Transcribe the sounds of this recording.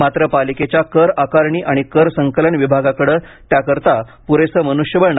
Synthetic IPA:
mat̪ɾəpaliket͡ɕjakəɾakaɾɳiːʔaɽ̃ikəɾsəŋkələɳʋibʱaɡakəɽəːt̪jakəɾt̪apuɾesəmənuʂjəʋəɭɳ

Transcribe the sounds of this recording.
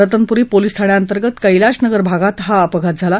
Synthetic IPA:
ət̪ənpuɾiːpolist̪ʰaɳ̃jaənt̪əɾɡət̪kəjlaɕnəɡəɾbʱaɡat̪ɦaəpəɡʱat̪̚d͡zʱala

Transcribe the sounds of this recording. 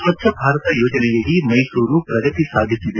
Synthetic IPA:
ɐt̪ʰjɐbʱaːɾɐt̪ɐjoːd͡ʒɐnɛjɐlimɐjsuːɾupɾɐɡɐt̪isaːd̪ʱisːid̪e

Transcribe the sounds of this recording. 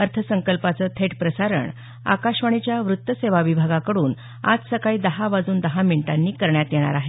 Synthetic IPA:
əɾt̪ʰəsəŋkəlpat͡səːt̪ʰeʈpɾəsaɾə̰ɳ | a̰kaɕʋaɽ̃it͡ɕjaʋɾut̪ːəseʋaʋibʱaɡakəɽuːn | a̰d͡zsəkaiːd̪əɦaʋad͡zuːnd̪əɦamiɳʈanːiːkəɾɳjat̪jeɽ̃a̰ɾaɦe

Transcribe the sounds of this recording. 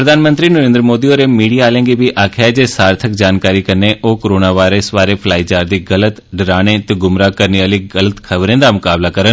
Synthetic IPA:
pɾɐd̪ʱaːnmə̃nt̪ɾinɐɾẽːnd̪ɾəmoːd̪ioɾemiːɽijaːlẽŋɡibʱiʔaːkʰad͡ʑesaːɾt̪ʰəkd͡ʑaːnkaːɾikɐneʔokoɾoːnaʋaːɪɾəsʋaːɾefʰlaːid͡ʑaːɾd̪iɣɐlət̪ɖɪɾaːɽ̃et̪eɡʊmɾakɐɾniəliɡɐlət̪kʰɐʋɾẽnd̪amʊkaːblakɐɾən

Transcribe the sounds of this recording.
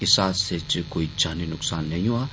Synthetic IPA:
ɪsaːset͡ʃkoːid͡ʒaːninʊksaːnːɐɦĩɦuaː

